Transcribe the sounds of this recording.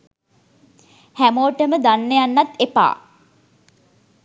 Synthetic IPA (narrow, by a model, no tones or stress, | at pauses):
hæmoːʈəməd̪anːəjanːat̪epa̰ː